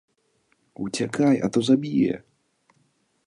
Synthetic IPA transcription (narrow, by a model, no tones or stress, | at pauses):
ut͡ɕʲɛkʰaja̰t̪ɔzabʲijɛ̰